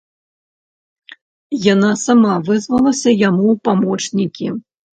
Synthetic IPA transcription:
janasamavɨzvɐlˠɐsʲɐjamuwpamɔt͡ʂnʲikʲi

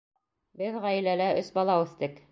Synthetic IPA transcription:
bɘðʁæjɘ̆lælæʔɵsbɑlˠɑʉθt̪ɘk

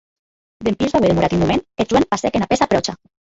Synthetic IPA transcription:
d̪empizðaweðemuɾat̪inmumened͡ʒwenpasɛkenapesapɾɔt͡ʃa

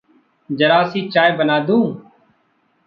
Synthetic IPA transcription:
d͡ʒəɾaːsiːt͡ʃaːebənaːd̪ũː

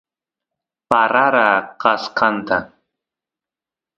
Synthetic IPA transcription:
paɾaɾaːqɑsqɑnt̪a

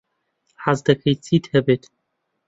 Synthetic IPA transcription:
ħazd̪ɐkʰɐjt͡sʼiːt̪hɛbeːt̪ʰ

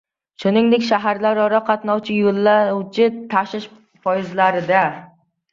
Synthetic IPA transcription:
ʃʊnɪŋd̪ekʲʃaɦaɾlaɾɒɾɒqʰɑt̪nɒwt͡ʃʰɪjolˠːawt͡ʃʰɪt̪ʰaʃɪʃ | fɒjɪzlaɾɪd̪a

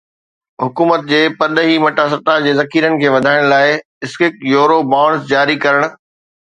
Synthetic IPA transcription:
ɦʊkuːmət̪̚d͡ʑeːpɐɗ̪əɦimɐʈas̬ɐt̪ad͡ʑeːzɐkʰiːɾənɪ̆kʰeːʋɐd̪ʱaːɪɽ̃laːɪ | ɪskɪk̚joːɾobãːɽ̃sd͡ʑaːɾikɐɾəɽ̃̆

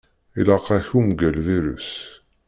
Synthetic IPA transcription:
ilɑqæçumɡælviɾy̰s

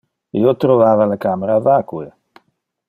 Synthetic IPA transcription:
ḭot̪ɾovaːvalakameɾavakue

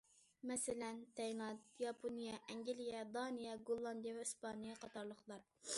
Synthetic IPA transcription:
mɛsɪlɛnt̪ʰɛjlˠɑt̪jɑpʰonijɛʔɛŋɡʲilijɛd̪ɑnɨjɛɡolˠːɑnd̪ijɛvɛyspɑnijɛqɑt̪ɑɾlˠəχlˠɑɾ

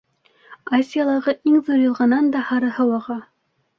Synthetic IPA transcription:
asʲijalˠɤ̆ʁɤʔiŋðuɾjɤ̆lˠʁɑnɑnd̪ɑhɑɾɤhɤ̆wɑʁɑ

